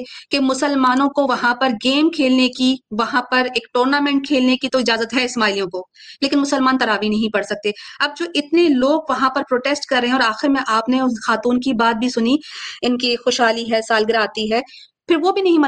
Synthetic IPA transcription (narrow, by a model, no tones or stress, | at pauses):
kemʊsəlmaːnõkoʋɐɦãpɐɾɡeːmkʰeːlnekiʋɐɦãpɐɾeːkʈoːɾnaːmɛ̃ːɳʈ̚kʰeːlnekit̪oɪd͡ʒaːzət̪ɦɛɪsmaːɪlijõkoleːkɪnmʊsəlmaːnt̪ɐɾaːʋinɐɦĩpɐɽsɐk̚t̪eːɐb̚d͡ʒoːʔɪt̪neloːɡʋɐɦãpɐɾpɾoːʈeːsʈkɐɾːɛɦɛ̃ɔːɾaːxɪɾmẽʔaːpnexaːt̪uːnkibaːt̪̚bʱisʊniɪnkixoːʃɦaːliɦɛːsaːlɡɪɾaːt̪iɦɛː | pʰɪɾʋobʱinɐɦĩmɐ